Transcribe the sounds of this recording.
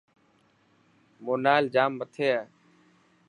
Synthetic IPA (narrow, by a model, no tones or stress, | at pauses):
moːnaːld͡ʒaːmːət̪ʰeːaː